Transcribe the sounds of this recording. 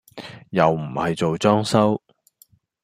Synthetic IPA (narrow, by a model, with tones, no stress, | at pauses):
jɐ˨wm̩˨˩hɐ˨jt͡ʃo˨wt͡ʃɔː˥ŋsɐ˥w